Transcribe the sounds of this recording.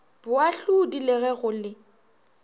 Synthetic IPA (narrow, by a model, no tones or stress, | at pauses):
b̥ʊaɬudilɛɣɛɣʊlɪ